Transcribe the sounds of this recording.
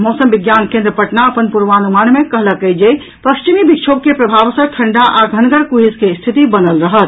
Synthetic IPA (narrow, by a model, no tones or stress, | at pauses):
mɔsəmbiɡjankẽnd̪ɾəpəʈnaəpənpuɾʋanumanmekəɦləkəjd͡ʒe | pəkt͡ʃimibik̚t͡ʃʰobkepɾəbʱabsə̃ʈʰəɳɖaʔaɡʱənɡəɾkuɦiskest̪ʰit̪ibənəlɾəɦət̪̚